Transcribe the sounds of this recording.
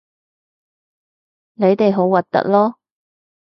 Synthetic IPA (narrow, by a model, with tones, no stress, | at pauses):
ne˨˧jt̪e˨jɦo˨˥wːɐ˨t̚t̪ɐ̰˥k̚lɔː˥